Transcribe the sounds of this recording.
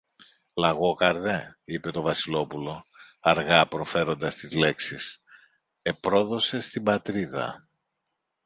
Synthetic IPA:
lɐɣo̞kɐɾðe̞ipe̞t̪o̞vɐsilo̞pulo̞ | ɐɾɣɐpɾo̞fe̞ɾo̞nd̪ɐst̪izle̞ksis | e̞pɾo̞ðo̞se̞st̪ibɐt̪ɾiðɐ̰

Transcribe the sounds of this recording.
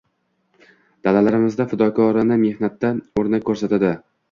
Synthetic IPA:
d̪̥alalaɾɪmɪzd̪afɪd̪ɒkʰɒɾɪnɪme̞hnat̪ːaoɾnakʰʲːɵɾsat̪ad̪ɪ

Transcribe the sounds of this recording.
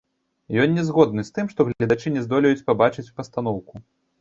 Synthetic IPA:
jɔnʲːɛzɣɔd̪nɨst̪ɨmʂt̪ɔɣlʲlʲɐd̪at͡ʂɨnʲɛzd̪ɔlʲɐjut͡sʲpabat͡ʂɨt͡sʲpɐst̪anɔwku

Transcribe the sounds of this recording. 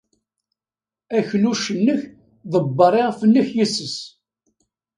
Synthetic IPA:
æçluʃənːəç | ðəbːəɾˤeʁfənːəçjisəs

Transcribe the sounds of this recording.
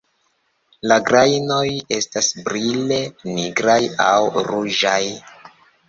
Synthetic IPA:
laɡɾajno̞je̞stasbɾile̞niɡɾaja̰wɾud͡ʒaj

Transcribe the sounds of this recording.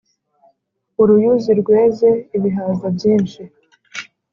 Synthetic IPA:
uɾujuziɾɡwe̞ːze̞iβiɦaːzabjiːnʃi

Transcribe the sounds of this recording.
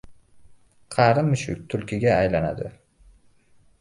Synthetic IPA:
qʰɑɾɪmːɪʃʊ̰kʲt̪ʰʊlkʲɪɡʲaːjlana̰d̪ɪ

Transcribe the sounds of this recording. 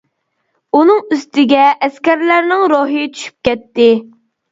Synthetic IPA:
unɨŋyst̪ɪɡʲɛʔɛskʲæɾlæɾnɪŋɾoɦɨjt͡ʃʰy̥ʃy̥p̚kʲɛt̪ːɪ

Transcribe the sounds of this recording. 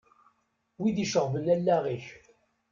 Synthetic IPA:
wid̪iʃəʁvəlːælːæʁiç

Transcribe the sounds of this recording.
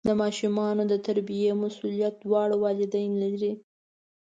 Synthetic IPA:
d̪əmɑʃumɑnod̪ət̪aɾbijemasulijat̪̚d̪wɑɽwɑlɪd̪ajlaɾi

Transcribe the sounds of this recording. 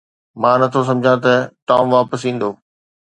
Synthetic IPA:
mãːnɐt̪ʰos̬ɐ̃md͡ʑʱãt̪ɐʈaːmʋaːpəsĩːn̆d̪oː

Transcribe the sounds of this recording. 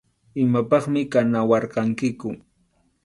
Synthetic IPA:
ɪmapɑχmɪkanawɑɾqɑŋkɪkʊ

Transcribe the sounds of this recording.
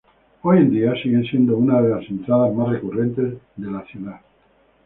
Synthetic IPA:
o̞jend̪iasiɣe̞nsje̞nd̪ounaðe̞lase̞nt̪ɾaðazmasrekure̞nt̪e̞zðe̞laθjuða

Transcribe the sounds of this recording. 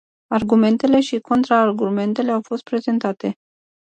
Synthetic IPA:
arɡume̞nt̪e̞le̞ʃikʰo̞nt̪ɾaːrɡume̞nt̪e̞le̞awfo̞st̪̚pɾe̞ze̞nt̪at̪e̞

